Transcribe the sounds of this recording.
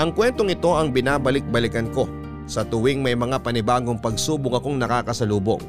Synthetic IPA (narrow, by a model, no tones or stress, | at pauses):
ʔɐŋkwɛnt̪o̞ŋɪt̪o̞ʔɐŋbɪnaːbɐlɪk̚bɐlɪkɐnko̞ | sɐt̪ʊwɪŋmɐjmɐŋapɐnɪbaːɡo̞ŋpɐɡ̚suːbʊŋɐko̞ŋnɐkaːkɐsɐluːbo̰ŋ